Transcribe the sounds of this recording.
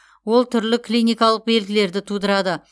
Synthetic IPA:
wo̞lˠt̪ʰʏɾlɪkʰlijnijkɑlˠəq̚be̞lɡʲɪle̞ɾd̪ɪt̪ʰud̪əɾɑd̪ə

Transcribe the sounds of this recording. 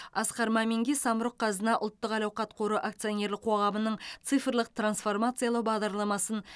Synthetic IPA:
ɑsqɑɾmɑme̞ŋɡʲesɑməɾoqʰːɑzənɑʔʊ̰lˠt̪ːəqɑlɑwqɑt̪qʰoɾuʔak̚t̪sɨjonʲe̞ɾlɪq̚ʰo̞ʁɑmənəɴt̪sɨjfrlˠəq̚t̪ransfo̞rmat̪sɨjalˠəbɑʁd̪ɑɾlˠɑmɑsən

